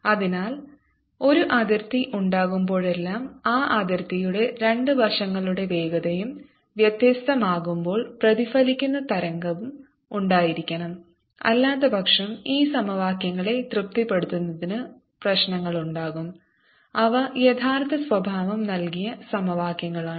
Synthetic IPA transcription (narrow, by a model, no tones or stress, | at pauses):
ɐðinaːl | o̞ɾuʔɐd̪ɐrt̪iʔuɳɖaːɣumbo̞ːɭe̞lːaːmaːʔɐðɐrt̪ijuɽe̞ɾe̞ɳɖɨʋɐrʂɐŋːɐɭuɽe̞ʋe̞ːɡɐðɐjum | ʋjɐt̪jɐst̪ɐmaːɣumbo̞ːɭprɐðifɐlikʲːunːɐt̪ɐɾɐŋɡɐʋum | uɳɖaːjiɾikʲːɐɳɐm | ɐ̰lːaːt̪ːɐbʱɐkʂɐmiːsɐmɐʋaːkjɐŋːɐɭe̞t̪rɨp̚t̪ipːe̞ɽut̪ːunːɐðinɨ | prɐɕnɐŋːɐɭuɳɖaːɣum | ɐʋɐjet̪ʰaːrt̪ʰɐsʋɐbʱaːʋɐmnɐlkijɐsɐmɐʋaːkjɐŋːɐɭaːɳɨ